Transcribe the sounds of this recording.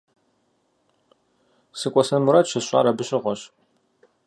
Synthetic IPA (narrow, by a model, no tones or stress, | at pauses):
sɨkʷʼɔsɐnmuɾatʃɐɕʷʼa̰ːɾɐbɨɕʼɪʁʷɔɕ